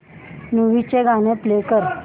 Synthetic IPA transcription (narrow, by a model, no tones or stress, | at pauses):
nuʋit͡ɕeɡʱañeplekəɾ